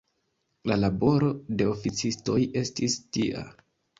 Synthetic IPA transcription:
lalabo̞ɾo̞de̞o̞fit͡sisto̞je̞stistiʔa̰

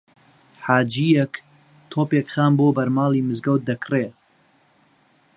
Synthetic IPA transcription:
ħaːd͡ʒijɛk | t̪ʰoːpekχaːnboːbɐɾmaːlˠimɨzɡɐw̪̚d̪ɐkreː

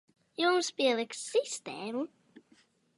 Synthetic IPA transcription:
jumspiɛlˠɨksist̪ɛːmu

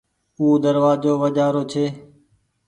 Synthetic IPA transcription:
uːd̪əɾʋaːd͡ʒoːʋəd͡ʒaːɾoːt͡ʃʰeː

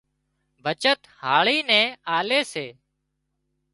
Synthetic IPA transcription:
bʱət͡ʃət̪haːɭiːnɛ̃ːaːleːseː

